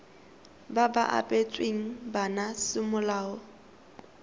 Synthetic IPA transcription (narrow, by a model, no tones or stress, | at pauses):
baba̰ʔa̰pʼet͡sʼweŋ̩banasɪmʊlaːɔ